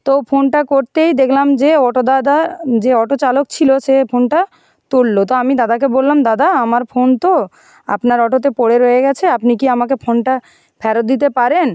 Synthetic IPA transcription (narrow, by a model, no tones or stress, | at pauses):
t̪ofʰonʈakoɾt̪ejd̪ekʰlamd͡ʑeɔʈod̪ad̪ad͡ʑeɔʈot͡ɕalokt͡ɕʰiloʃepʰonʈa | t̪uɽːot̪oamid̪ad̪ak̬ebolːamd̪ad̪aamaɾfʰont̪o | a̰pnaɾɔʈot̪̬epoɽeɾojeɡɛt͡ɕʰeapnikiamakefʰonʈa | pʰɛɾot̪̚d̪it̪̬epaɾen